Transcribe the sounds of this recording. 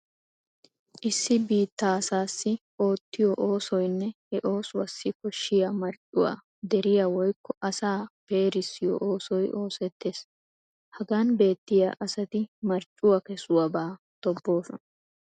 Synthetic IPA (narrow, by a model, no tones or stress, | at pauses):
ʔɪsːɪbiːt̪ːasaːsːɪʔo̞ːt̪ːɪjɔʔo̞ːsɔjnːɛhɛʔo̞ːswɐsːɪkɔʃːɪjamɐɾt͡ʃʼːʊwa̰ː | d̪ɛɾɪjawɔjkːɔʔɐsaːpeːɾɪsːɪjɔ̰ʔoːsɔjʔo̞ːsɛt̪ːe̞ːs | hɐɡaːnbe̞ːt̪ːɪja̰ːʔɐsɐt̪ɪmɐɾt͡ʃʼʊwɐkɛsʊwɐbaː | t̪ɔbːo̞ːsɔnɐ